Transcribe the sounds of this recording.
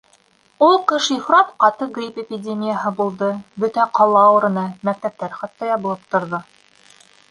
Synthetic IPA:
ulˠqɤʃifɾɑt̪qɑt̪ɤɡrʲipepʲɪdʲemʲijəɦɤbulˠd̪ɤbɵt̪æqɑlˠɑɤ̆ɾɤ̆nɑmæk̚t̪æp̚t̪æɾχɑt̪ːɑjɑβɤ̆lˠɤp̚t̪ŏɾðɤ

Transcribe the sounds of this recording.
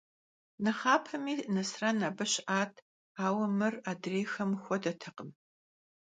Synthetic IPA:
nɐχaːpʰɐmiːnɐsrɐnaːbɨɕʔaːtʰ | aːwɐmɨraːdreːxɐmxʷɔdɐtʰɐqəm

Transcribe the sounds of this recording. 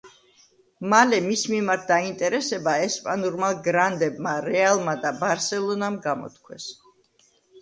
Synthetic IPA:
malɛmismimaɾt̪̚ʰd̪aint̪ʼɛɾɛsɛbaɛspʼanuɾmaɡɾand̪ɛbmaɾɛalˠmad̪abaɾsɛlˠɔnamɡamɔ̰t̪̚kʰwɛ̰s

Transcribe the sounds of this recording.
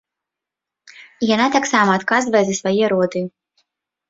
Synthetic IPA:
janat̪ʲaksaːmat̪kazvɛzʲɨsvajɛɾuɔd̪ɨ

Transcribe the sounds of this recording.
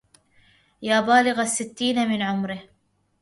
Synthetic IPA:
jaːbaːlɪɣasːɪt̪ːiːnamɪnʕʊmɾɪh

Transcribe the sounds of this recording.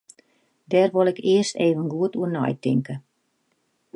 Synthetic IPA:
dɛːrʋolˠɛkɪərsteːvənɡuətuərnɔ̰jtɪŋkə

